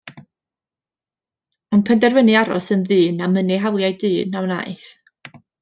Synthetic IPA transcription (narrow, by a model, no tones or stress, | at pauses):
ɔnpʰɛndɛrvənɨaɾɔ̰sənðɨːnaməniɦawlˠjajdɨːnawna̰jθ